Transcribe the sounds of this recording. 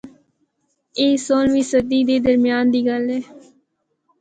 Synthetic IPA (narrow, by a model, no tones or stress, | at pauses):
eːsoːlʋiːsəd̪iːd̪eːd̪əɾmɪjaːnd̪iːɡəlɛː